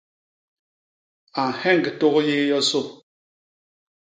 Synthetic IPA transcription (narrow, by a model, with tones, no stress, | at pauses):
a˨ŋ˨hɛ˦˨ŋ˨ɡe˨to˦ɣje˦jɔ˦so˦˨